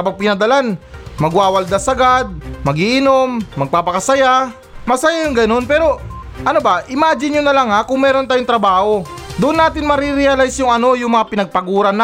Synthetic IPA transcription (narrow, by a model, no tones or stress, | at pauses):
kɐbapɪnɐd̪ɐlanmɐɡwaːwɐld̪asɐɡad̪̚ːɐɡiʔɪnomːɐɡ̚paːpɐkɐsɐja | mɐsajajʊŋɡɐno̞npɛːɾo̞ | ʔɐnobaʔɪmaːd͡ʒɪnɲonɐlaŋhakʊŋmɛːɾont̪aːjʊŋt̪ɾɐbaːho̞ | d̪ʊʔʊnːaːt̪ɪnmɐɾiɾɪalajsjʊŋɐno̞jʊŋmɐŋapɪnɐɡ̚pɐɡuːɾɐna